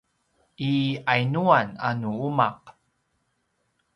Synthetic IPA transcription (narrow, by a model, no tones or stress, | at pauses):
ʔiajnuananuumaq